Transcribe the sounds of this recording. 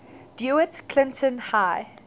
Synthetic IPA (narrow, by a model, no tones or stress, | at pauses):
d̥juətkʰlɪ̃ntʰə̃nhaɪ